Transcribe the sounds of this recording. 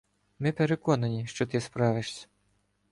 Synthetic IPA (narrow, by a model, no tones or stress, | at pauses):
mɪpʲɛɾekɔnɐnʲiʃt͡ʃɔt̪ɪspɾɑʋɪʂsʲɐ̥